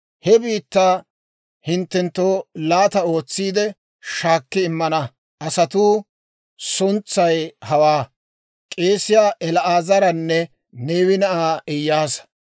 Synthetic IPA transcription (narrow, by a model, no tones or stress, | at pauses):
hɛbiːt̪ːaː | hɪnt̪ːɛnt̪ːoːlaːt̪ɐo̞ːt͡sːiːd̪ɛ | ʃaːkːɪːmːɐnɐ | ʔɐsɐt̪uː | sʊnt͡sːɐjhɐwaː | kʼe̞ːsɪjaːʔɛlɐʔaːzɐɾɐnːɛ | neːwɪnɐʔaːɪjːaːs